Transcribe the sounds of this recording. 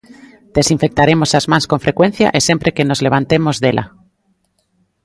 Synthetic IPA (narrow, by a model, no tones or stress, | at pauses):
d̪̥esĩɱfek̚t̪aɾemosazmãnskoɱfɾekwen̟θja̰ʔesempɾekenozleβ̞ant̪emozðelʔa̰